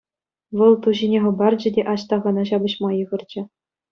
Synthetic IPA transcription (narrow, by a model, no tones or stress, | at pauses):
ʋɤ̆lˠt̪uʑinʲeχɤ̆bɑrd͡ʑɘ̆dʲeʔɑɕt̪ɑʁɑnɑʑɑbɤ̆ɕmɑjɤ̆ʁɤ̆rd͡ʑɘ̆